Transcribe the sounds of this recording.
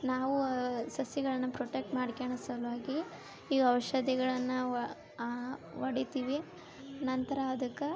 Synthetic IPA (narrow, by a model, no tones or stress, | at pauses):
naːʋusɐsjɐɡɐɭɐnːɐpɾoːʈek̚ʈmaːɽkeɳɐsɐlʋaːɡi | iːɐʋɐʃɐd̪iɡɐɭɐnːɐ | ʋɐɽit̪iːʋi | nɐnt̪ɐɾaɐd̪ɐkːe